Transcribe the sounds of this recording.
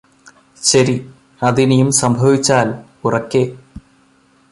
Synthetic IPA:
ɕɐɾi | ɐðinejumsɐmbʱɐʋit͡ɕːaːl | urɐkːe

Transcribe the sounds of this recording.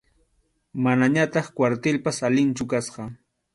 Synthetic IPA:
manaɲat̪ɑχkwaɾt̪ɪlpasalɪnt͡ʃʊkasqɑ

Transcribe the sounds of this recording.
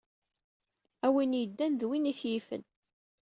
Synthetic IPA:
æwinjəd̪ːænðwinæθjifə̰n

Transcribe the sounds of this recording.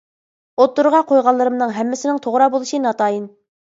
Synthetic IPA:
ot̪ːuɾʁɑqʰojʁɑlˠːɨɾɨmnɨŋɦɛmːɪsɪnɪŋt̪ʰoʁɾɑbolˠuʃinɑt̪ʰɑːjin

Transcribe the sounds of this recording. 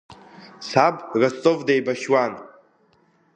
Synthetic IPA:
sabʼrast͡sʼovdejbaʃwan

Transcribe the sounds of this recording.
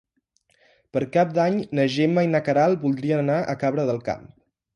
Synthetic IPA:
pəɾkap̚d̪aɲnəʒeməinəkəɾalˠbulˠd̪ɾiənənaʔə̰kaβɾəðəlˠka̰m

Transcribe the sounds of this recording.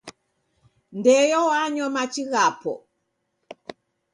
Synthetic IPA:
ndɛjɔwaɲɔmat͡ʃiɣapɔ̰

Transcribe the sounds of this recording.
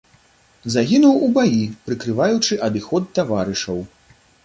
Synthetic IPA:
zaɣʲinuwubajipɾɨkɾɨvajut͡ʂɨʔɐd̪ɨxɔt̪ːavaɾɨʂɐw

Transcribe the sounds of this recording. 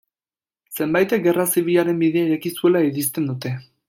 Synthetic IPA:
se̞mbajt̪e̞k̚ɡe̞rasiβ̞iʎaɾe̞mbiðeaiɾakisue̞laiɾist̪e̞nd̪ut̪e̞

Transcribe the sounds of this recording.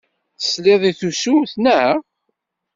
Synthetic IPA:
θə̥slɪðˤiθusumθnæ

